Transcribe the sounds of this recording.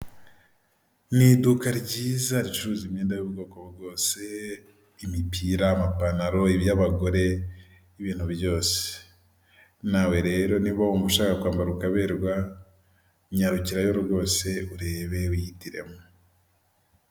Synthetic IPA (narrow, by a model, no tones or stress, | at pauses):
nidukaɾɟiːzaɾit͡ʃuuɾuzimɲeːndajuβuɡo̞ːkoβuɾɡo̞ːse̞ | imipiːɾaːmapanaɾo̞iβjaβaɡo̞ɾe̞ | iβiːn̥huβjo̞ːse̥ | nawe̞ɾe̞ːɾo̞niβaomuʃaːkakwaːmbaɾukaβe̞ɾɡwa | ɲaɾuciɾajoɾoɡo̞ːse̞uɾe̞ːβe̞wihitiɾe̞̰mu